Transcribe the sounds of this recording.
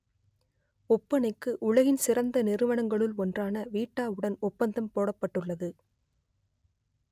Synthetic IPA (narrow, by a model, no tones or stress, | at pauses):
ʊpːɐnɪkːɯʔʊɭɐɣɪnsɪrɐnd̪ɐnɪɾɯʋɐɳɐŋɡɐɭɯlɔndraːnɐʋiːʈːaːɯɽɐnʊpːɐnd̪ɐmpoːɽɐpːɐʈːɯɭːɐðɯ